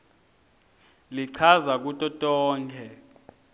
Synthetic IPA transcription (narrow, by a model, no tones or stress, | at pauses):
liǀʰazak̬utʼɔtʼɔːŋkʰɛ